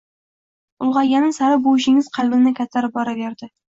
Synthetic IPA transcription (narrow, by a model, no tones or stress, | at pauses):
ʊlˠʁɑjanɪsaɾɪbowɪʃɪŋɪzqʰɑlˠbɪnnɪkʲʰat̪ʰːaɾɪbɒɾaveɾd̪ɪ